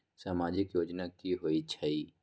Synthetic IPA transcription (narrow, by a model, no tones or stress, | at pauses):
saːmaːd͡ʒɪkjoːd͡ʒnakiɦoit͡ʃʰai